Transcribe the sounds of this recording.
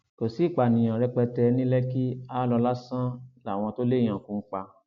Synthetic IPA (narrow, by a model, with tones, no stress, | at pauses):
ko˨si˨˦˨k͡pa˨nĩ˨ã˨ɾɛ˧k͡pɛ˧tɛ˧nĩ˦lɛ˦ki˦a˦lɔ˧la˦sã˦la˦˨w̃ɔ̃˧to˦le˦˨j̃ã˨kũ˧˦k͡pa˧˨